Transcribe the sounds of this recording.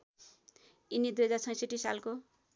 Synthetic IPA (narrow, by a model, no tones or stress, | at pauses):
inid̪ujɦʌd͡zart͡sʰʌj̃sʌʈːisalko